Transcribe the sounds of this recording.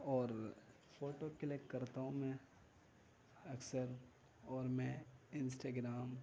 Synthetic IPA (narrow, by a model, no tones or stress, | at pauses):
ɔːɾ | foːʈokəlekːɐɾt̪aɦũmɛ̃ | ɐksəɾ | ɔːɾmɛ̃ɪ̃nsʈaːɡɾaːm